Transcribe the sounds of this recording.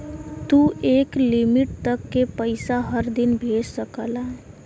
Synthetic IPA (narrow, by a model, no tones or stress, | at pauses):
t̪uːʔeːklɪmɪʈ̚t̪ɐkːepəɪsaɦɐɾd̪ɪnbʱeːd͡ʒsəkəlaː